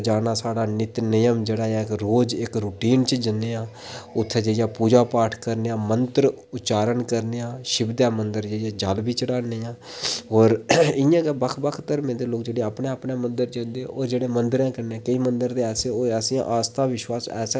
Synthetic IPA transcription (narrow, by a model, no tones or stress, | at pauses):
d͡ʒaːnaːsaːɽaːnɪt̪nɪjəmd͡ʒeːɽaːkɾoːd͡ʒɪkɾuːʈiːnt͡ʃəd͡ʒənd̪eːãː | ʊt̪ʰːeːd͡ʒeːjãːpuːd͡ʒaːpaːʈʰkəɾneːãːmənt̪ɾ | ʊtːt͡ʃaːɾənkəɾneːãːʃɪbd̪jaːmənd̪əɾd͡ʒeːjãːd͡ʒalbiːt͡ʃəɽaːneːãː | ɦoːɾɪ̃jãːkɛbəkʰbəkʰt̪əɾmẽːd̪eːloːk̚d͡ʒeːɽeːaːpnẽːapneːmənd̪əɾd͡ʒə̃nd̪ẽːoːɾd͡ʒeːɽeːmənd̪əɾãːkəɾneːɛ̃ːkəiːmənd̪əɾd̪eːɛːseoːɛːsijã̰ːʔaːst̪ʰãːʋɪʃwaːsɛ̰ːs